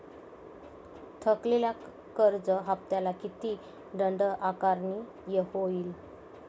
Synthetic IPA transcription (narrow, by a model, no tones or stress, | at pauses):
t̪ʰəklilja | kəɾd͡zəɦap̚t̪jalakit̪i | ɖəɳɖəʔakaɾni | jehoiːl